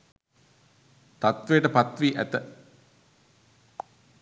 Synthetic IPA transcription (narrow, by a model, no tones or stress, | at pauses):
t̪at̪ʋejəʈəpat̪ʋiːʔæt̪ə